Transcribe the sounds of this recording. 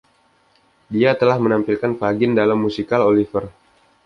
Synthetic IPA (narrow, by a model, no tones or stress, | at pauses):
diat̪əlahmənampilkanfaɡɪndalamːusikalolifər